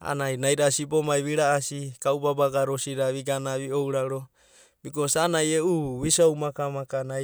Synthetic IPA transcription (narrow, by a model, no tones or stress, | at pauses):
a̰najnajɾasipomajβiɾaasikaubabaɡaɾosiɾaβiɡanaβiowɾaɾo | bikosanajeuβisowmakamakana